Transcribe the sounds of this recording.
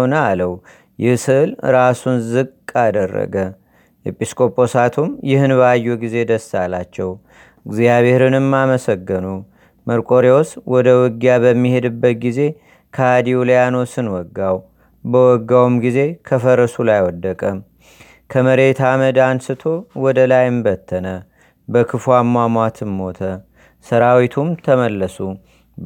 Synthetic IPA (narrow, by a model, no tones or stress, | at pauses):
nəaləw | jɪhsɨʔlɾasunzɨɡʼad̪ərːə̰ɡə | jɛpʼiskʼo̞pʼo̞sat̪ʰumjɪhɨnbəajːuɡize̞d̪əsːalat͡ʃːɛw | ɨɡzijaβe̞hɾɨnɨmːaməsəɡːɨnu | məɾkʼo̞ɾeoswʔɔd̪əwɔɡijabəmːihe̞d̪ɨbːət̪̚ɡize̞ | kʰəad̪iuljano̞sɨnwɔɡːaw | bəwɔɡːawumɡize̞kʰəfəɾəsulajwɔd̪ːəkʼəm | kʰəməɾe̞t̪ʰaməd̪ansɨt̪ʰo̞wɔd̪əlajɨmbət̪ʰːənə | bəkʰɨfwamːamʷat̪ʰɨnːo̞t̪ʰə | səɾawit̪ʰumt̪ʰəməlːəsu